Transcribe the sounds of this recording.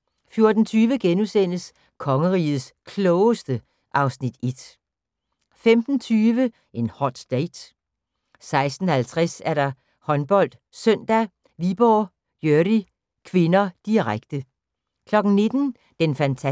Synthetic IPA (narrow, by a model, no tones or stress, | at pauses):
fjo̝ɐd̥n̩t͡sʰyːʋəɡ̥enusen̰əs | kʰɒ̽ŋəʁḭːð̩ˠskʰlɔʊsd̥ə | ʔɑ̈ʊsnid̥e̝d̥ | femd̥n̩t͡sʰyːʋə | ʔe̝nhɒd̥d̥ɛɪd̥ | sɑ̈ɪsd̥n̩hælt͡sʰʁɛsæɐɾɑ̈ | hɒ̽nb̥ɒ̽l̰d̥ | søn̰d̥æ | ʋib̥ɒ | jøɐd̥i | kʰʋe̝nɐd̥iʁaɡ̥̚d̥ə | kʰlɒ̽ɡ̥n̩ne̝d̥n̩ | d̥enfænt͡sʰæ